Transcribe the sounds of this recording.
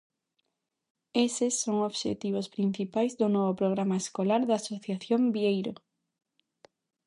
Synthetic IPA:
esɪsːoŋoβʃḛt̪iβ̞ospɾin̟θipajzd̪ʊnɔβopɾoɣ̞ɾamaeskolaɾðaːsoθjaθjombiejɾo

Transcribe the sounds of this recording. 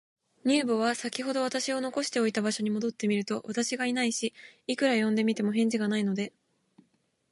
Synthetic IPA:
ɲ̟ɨːbo̞β̞asakʲiɦo̞d̪o̞β̞at̪aɕio̞no̞ko̞ɕi̥t̪e̞o̞it̪abaɕo̞ɲ̟imo̞d̪o̞t̪ːe̞mʲiɾɯ̟t̪o̞βat̪aɕiɡainaiɕiːkɯ̟ɾajõ̞nd̪e̞mʲit̪e̞mo̞ɦẽ̞ɲ̟d͡ʑiɡanaino̞d̪e̞

